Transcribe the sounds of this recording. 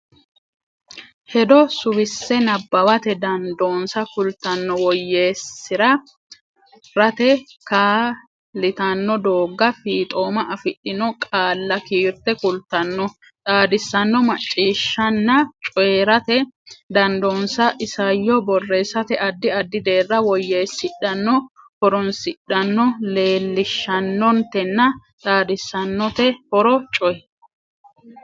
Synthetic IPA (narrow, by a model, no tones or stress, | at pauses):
hɛd̪ɔsʊwɪsːɛnɐbːɐwɐt̪ɛd̪ɐnd̪o̞ːnsɐkʊlt̪ːɐnːɔwɔjːe̞ːsːɪɾɐ | ɾɐt̪ɛkaː | lɪt̪ɐnːɔd̪o̞ːɡːɐfiːt̪ʼo̞ːmɐʔɐfɪɗːɪnɔkʼaːlːɐkiːɾt̪ɛkʊlt̪ɐnːɔ | t̪ʼaːd̪ɪsːɐnːɔmɐt͡ʃʼːiːʃːɐnːɐt͡ʃʼɔeːɾɐt̪ɛd̪ɐnd̪onsɐʔɪsɐjːɔbɔrːeːsːɐt̪ɛʔɐd̪ːɪɐd̪ːɪd̪e̞ːrːɐwɔjːeːsɪɗːɐnːɔ | hɔɾɔnsɪɗːɐnːɔle̞ːlːɪʃːɐnːɔnt̪ɛnːɐt̪ʼaːd̪ɪsːɐnːɔt̪ɛhɔɾɔt͡ʃʼɔjɛ